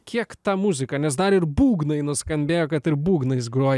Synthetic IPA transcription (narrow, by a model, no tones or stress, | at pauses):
kʲiɛkt̪ɑːmʊzʲɪkɐnʲɛsd̪ɐɾɪɾbuːɡnɐɪnʊskɐmʲbʲeːjoːkɐt̪ɪɾbuːɡnɐɪs̬ɡɾuɔj